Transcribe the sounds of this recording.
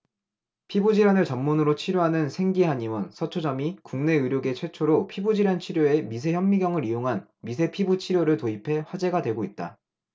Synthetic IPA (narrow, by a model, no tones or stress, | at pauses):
pʰibud͡ʑiɾanɯɭt͡ɕʌmːunɯɾot͡ɕʰiɾjoɦanɯnsʰe̞ŋɡiɦaɲiwʌnsʰʌt͡ɕʰod͡ʑʌmikuŋne̞ɯɾjoɡe̞t͡ɕʰwe̞t͡ɕʰoɾopʰibud͡ʑiɾant͡ɕʰiɾjoe̞mis̬ʰe̞çjʌmmːiɡjʌŋɯɾijoŋɦan | mis̬ʰe̞pʰibut͡ɕʰiɾjoɾɯɭtoipʰe̞ɸwad͡ʑe̞ɡadwe̞ɡoit̚t͈a̰